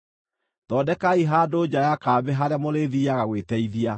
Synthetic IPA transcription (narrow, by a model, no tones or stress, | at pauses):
ðɔdɛkaiɦaːdod͡ʑajakaːbɛɦaɾeamoɾeðiaɣaɣweːtɛiðia